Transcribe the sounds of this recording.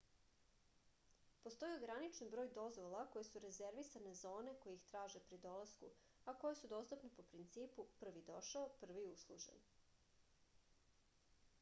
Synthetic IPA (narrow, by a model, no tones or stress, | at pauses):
post̪o̞jioɡɾanit͡ʃnibɾoːjd̪o̞zʋo̞lˠako̞jesuɾezeɾʋisane̞zo̞ːne̞ko̞jeixt̪ɾaːʒe̞pɾid̪o̞lˠaskṵ | ako̞jesud̪o̞st̪upnepo̞pɾint̪siːpupr̩ʋid̪o̞ʃaopr̩ʋiuslˠuʒḛn